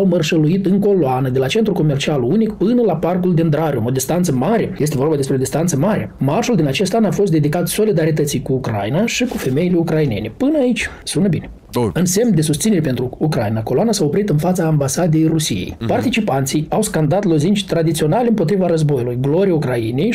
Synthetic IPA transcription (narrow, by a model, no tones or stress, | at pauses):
awmərʃəluit̪ɨŋko̞loanəd̪e̞lat͡ʃe̞nt̪ɾuko̞mert͡ʃialunikpɨnəlaparkuld̪ind̪ɾaɾjumo̞d̪ʲist̪ant̪səmaɾe̞je̞s̬t̪e̞vo̞rbad̪e̞spɾeo̞d̪ist̪ant̪səmaɾʲemarʃuld̪inat͡ʃe̞st̪anafo̞s̬t̪d̪e̞d̪ikat̪so̞lid̪aɾit̪ət̪sijkuːkɾa̰jinaʃikufe̞me̞jile̞ukɾaine̞̰ne̞pɨnəait͡ʃʲsunəbine | ɨnse̞mnd̪e̞sust̪ine̞ɾepe̞nt̪ɾuukɾainako̞loanasao̞pɾit̪ɨnfat̪saːmbasad̪e̞jrusijḛjpart̪it͡ʃipant̪sijawskand̪at̪lo̞zint͡ʃʲt̪ɾad̪it̪sio̞nalʲeɨmpo̞t̪ɾivaɾəzbo̞julujɡlo̞ɾijaukɾajinej